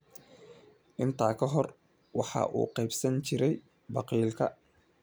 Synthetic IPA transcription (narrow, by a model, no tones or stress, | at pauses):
ʔɪnt̪ʰaːkʰɐɦɔr | wɑħɑ̰ːʔṵːqɛjbsɐnt͡ʃɪɾɛj | bɑqiːlkʰɐ